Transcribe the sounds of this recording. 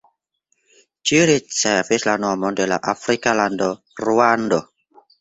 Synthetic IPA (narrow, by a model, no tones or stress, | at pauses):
t͡ʃiɾit͡sevislanoamondela̰ʔafɾikalando | ɾuando